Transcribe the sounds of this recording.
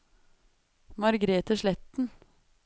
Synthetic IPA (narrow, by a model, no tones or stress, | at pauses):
mɑɾɡɾeːt̪əʃlɛt̪n̩